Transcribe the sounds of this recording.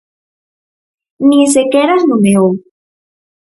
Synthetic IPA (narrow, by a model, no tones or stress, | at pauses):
nĩs̬ekeɾaznumeow